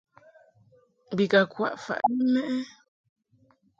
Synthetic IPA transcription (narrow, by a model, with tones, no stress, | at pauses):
bi˨ka˨kwa̰˦˨ʔfa̰˨ʔni˦mɛ˦ʔɛ˦